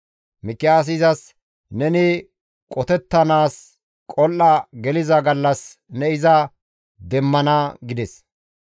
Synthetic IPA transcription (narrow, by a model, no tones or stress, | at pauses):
mɪkːɪaːs̬ɪzɐs | nɛnɪ | kʼɔt̪ɛt̪ːɐnaːs | kʼɔlʔɐɡɛlɪzɐɡɐlːɐsnɛɪzɐ | d̪ɛmːɐnɐɡɪd̪ɛs